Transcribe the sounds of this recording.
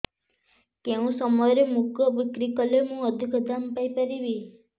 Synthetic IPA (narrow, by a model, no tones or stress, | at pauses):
keũsɔmɔjɾemuɡɔbikɾikɔlemũɔd̪ʱikʰɔd̪ʱampajpəɾibi